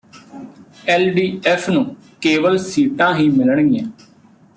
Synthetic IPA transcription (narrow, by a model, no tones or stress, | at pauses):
ɛːlɖiːɛːpʰnũː | keːʋəlsiːʈãːɦiːmɪlɳiːãː